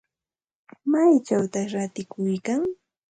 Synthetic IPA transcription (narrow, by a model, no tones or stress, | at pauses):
majt͡ʃawt̪aɾat̪ɪkʊjkaŋ